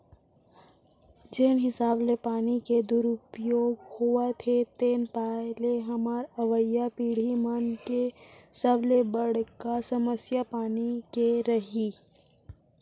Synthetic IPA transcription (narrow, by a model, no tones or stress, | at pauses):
d͡ʒeːnɦɪsaːblepaːniked̪ʊɾʊpjoːɡhuat̪ʰet̪eːnpaːleɦɐmaːɾɐʋəjapiːɽ̤imənkesəblebəɽ̤kasɐməsjapaːnikeɾɐɦiː